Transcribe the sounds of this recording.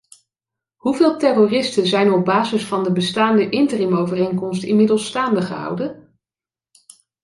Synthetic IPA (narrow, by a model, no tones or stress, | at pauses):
ɦuvɪːlˠtɛrorɪstənzɛjnɔb̚baːzɪsfɑndəbəstaːndəʔɪntərimowvərejŋkɔmstɪmɪdəlˠsːtaːndəχəɦʌ̰wdən